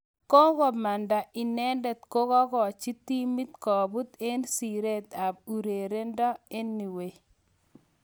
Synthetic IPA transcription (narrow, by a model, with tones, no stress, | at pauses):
ko˦kɔ˨ma˨nda˨ʔɪ˨nɛ˦nde˨t̪ko˦kɔ˦kɔ˨t͡ʃi˦t̪i˦mi˦t̪kɔ˨bu˦t̪e˦nsi˨ɾe˦t̪a˨b̚u˨ɾe˨ɾe˦ndɔ˦e˦nːi˨we˨